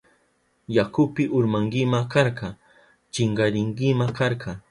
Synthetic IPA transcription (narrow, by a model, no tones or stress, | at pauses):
jakʊpɪʔʊɾmaŋɡɪmakɑɾɢɑ | t͡ʃɪɴɢɑɾɪŋkɪmakaɾɢɑ